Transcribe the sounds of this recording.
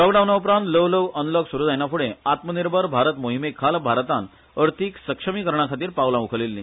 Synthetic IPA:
lɔɡɖawnaupɾãnt̪ləʋləʋənləɡsuɾud͡z̪ajnapʰuɽẽat̪məniɾbʱəɾbʱaɾət̪moɦimekʰːalbʱaɾt̪an | əɾt̪ʰiksəkʂəmiːkəɾɳ̃akʰat̪iːɾpawlãukʰəlelːḭ̃

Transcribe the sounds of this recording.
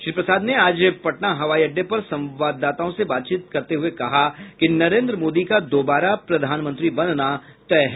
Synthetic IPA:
ʃɾiːpɾəsaːd̪neaːd͡ʒpɐʈnaɦɐʋaːiɐɖːepɐɾsɐ̃mʋaːd̪ːaːt̪aõsebaːt̪t͡ʃiːt̪kɐɾt̪eɦʊekɐɦakinɐɾẽːnd̪ɾəmoːd̪ikad̪oːbaːɾapɾɐd̪ʱaːnmə̃nt̪ɾibɐnna | t̪ɛɦ

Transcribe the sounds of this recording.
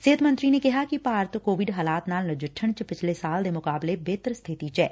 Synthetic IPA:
seːət̪mə̃nt̪ɾiːneːkɪɦaːkɪpaːɾt̪koːʋɪɖɦaːlaːt̪naːlnəd͡ʒəʈʰːəɳt͡ʃpɪt͡ʃʰleːsaːld̪eːmʊkaːbleːbeːt̪əɾst̪ʰɪt̪iːt͡ʃɛː

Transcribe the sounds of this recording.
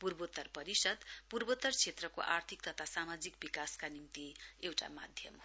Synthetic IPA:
purbot̪ːʌrpʌɾisʌd̪purbot̪ːʌrt͡sʰet̪rʌko̰ʔa̰rt̪ʰik̚t̪ʌt̪ʰasamad͡zikbikaskanimt̪iewʈa̰ma̰d̪ʱjʌ̰m

